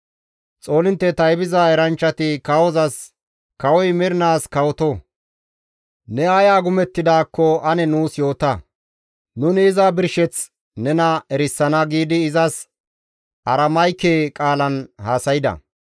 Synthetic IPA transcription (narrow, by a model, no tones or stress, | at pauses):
t͡sʼo̞ːlɪnt̪ːɛt̪ɐjbɪzaːɛɾɐnt͡ʃːɐt̪ɪkɐwɔzɐs | kɐwɔjmɪɾɪnaːskɐwɔt̪ɔ | nɛaːjaːɡʊmɛt̪ːɪd̪aːkːɔɐnɛnuːsjo̞ːt̪ɐ | nʊnɪːzabɪɾʃɛt͡s | nɛnɐɛɾɪsːɐnɐɡiːd̪ɪːzɐs | ɐɾɐmɐjkeːkʼaːlɐnhaːsɐjɪd̪ɐ̰